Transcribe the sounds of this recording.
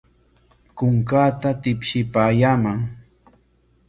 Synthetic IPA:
kʊŋkaːt̪at̪ɪpʃɪpaːjaːmaŋ

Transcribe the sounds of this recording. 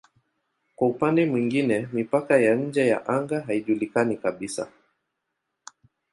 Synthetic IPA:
kwaupandɛmwiŋɡinɛmipakajaɲ̩d͡ʒɛja̰ʔaŋɡaɦaiʄulikanikaɓisa̰

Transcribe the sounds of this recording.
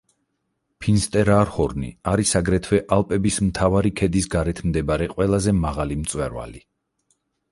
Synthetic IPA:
pʰinst̪ʼɛɾaɾhɔɾnḭaɾisaɡɾɛt̪ʰwɛʔalˠpʼɛbismt̪ʰavaɾikʰɛd̪isɡaɾɛt̪ʰmd̪ɛbaɾɛqʼwɛlˠazɛmaʁalimt̪sʼwɛɾwa̰li

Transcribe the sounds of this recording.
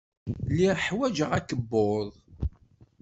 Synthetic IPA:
lːiʁħwæd͡ʒəʁækːəbːoðˤ

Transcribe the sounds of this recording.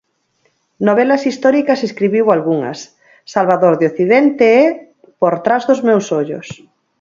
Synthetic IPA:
noβɛlɐsist̪ɔɾikɐseskɾiβiwalɣuŋɐ̰sː | alβaðoɾðoθiðɛnt̪eɛ | poɾt̪ɾazðʊzmewsoʎʊ̰s

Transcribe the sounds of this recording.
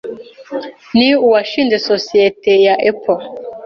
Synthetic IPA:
niuwaʃindesɔsietejaʔɛpʰɔ

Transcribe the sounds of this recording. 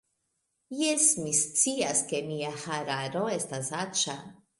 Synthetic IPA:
jesmist͡siaskemiahaɾaɾoest̪asat͡ʃa

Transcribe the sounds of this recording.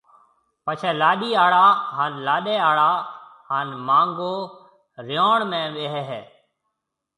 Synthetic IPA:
pət͡ʃʰeːlaːɗiːaːɽaːɦaːnlaːɗeːaːɽaːhaːnmaːŋɡoː | ɾɪjoːɳmẽːʋeːɦɛɦɛː

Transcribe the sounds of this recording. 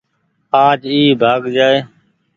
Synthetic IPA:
aːd͡ʒiːbʱaːɡd͡ʒaːeː

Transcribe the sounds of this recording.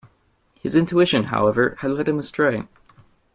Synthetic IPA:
hɨzɪ̃ntʰʉɪʃɨ̃nɦa̰ʊɛvə˞ɨdˡlɛd̚hɨ̃məstʰɹ̥ẽɪ

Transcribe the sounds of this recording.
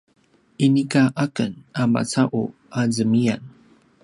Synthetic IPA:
ʔinikaʔakənama̰t͡saʔṵʔazəmian

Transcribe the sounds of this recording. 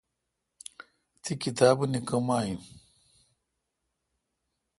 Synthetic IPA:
t̪ʰikit̪aːbunikɐmaːjĩ

